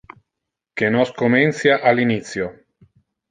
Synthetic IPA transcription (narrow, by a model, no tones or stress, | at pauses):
kenoskomensjaʔalinit̪sjo